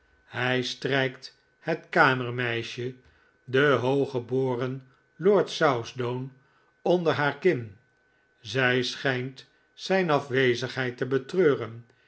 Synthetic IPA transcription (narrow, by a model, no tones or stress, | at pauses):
hɛjstrɛjkt | hɛtkaːməɹmɛjʃə | dəɦowχəboːrən | loːɹtsawzdown | ɔndəɹɦaːɹkɪn | zɛjsχɛjnt | sɛjnɑfʋejzəχɦɛjtəbətrøːrən